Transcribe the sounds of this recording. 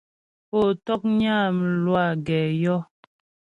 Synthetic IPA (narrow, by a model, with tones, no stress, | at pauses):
po˨tɔ˦k̚ɲaː˦˨m̩˨lwa˦˨ɡɛː˨jɔ˦